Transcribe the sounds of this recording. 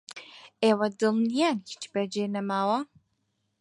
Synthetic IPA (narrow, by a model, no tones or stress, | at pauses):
eːwɐd̪ɨlnijaːnhi̥t͡ʃbɛd͡ʒenɐmaːwɐ